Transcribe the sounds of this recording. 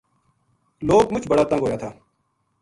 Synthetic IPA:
loːɡmʊt͡ʃʰbəɽaːt̪ə̃ŋɡɦoːjaːt̪ʰaː

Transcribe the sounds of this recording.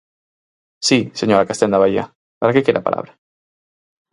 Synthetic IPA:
siseɲoɾakast̪ɛnd̪aβaia̰ | paɾakekeɾapa̰lʔa̰βɾa

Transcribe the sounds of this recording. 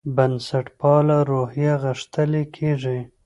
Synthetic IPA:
bansaʈpɑlaɾohjaɣəʂt̪əlekʰeʐi

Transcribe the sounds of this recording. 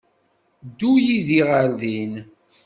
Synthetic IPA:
d̪ːujiðiʁaɾðin

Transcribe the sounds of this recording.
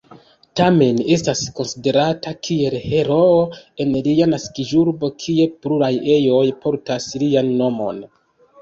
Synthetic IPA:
tame̞ne̞stasko̞nside̞ɾatakʰie̞lhe̞ɾo̞oe̞nlijanaskiʒuɾbo̞kʰie̞pluɾaje̞jo̞jpo̞ɾtaslianːo̞mo̞̰n

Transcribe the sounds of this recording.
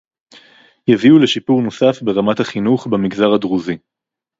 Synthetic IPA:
javiule̞ʃipuʁno̞safbe̞ʁamathaχinuχbemiɡzaʁadʁuzi

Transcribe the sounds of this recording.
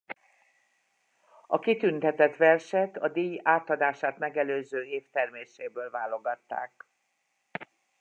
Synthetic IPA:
ɒkit̪ynt̪ɛt̪ɛt̪ʋɛrʃɛt̪ɒd̪iːjaːt̪ɒd̪aːʃaːt̪mɛɡɛløːzøːeːft̪ɛrmeːʃeːbøːlvaːlːo̞ɡɒt̪ːa̰ːk̚

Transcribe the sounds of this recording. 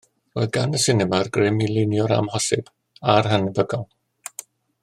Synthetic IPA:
ro̰ːɨðɡanəsɪnɛmarɡrɪmilˠɪnjɔɾa̰mhɔsɪ̰b̥ | arɦanɪbəɡɔlˠ

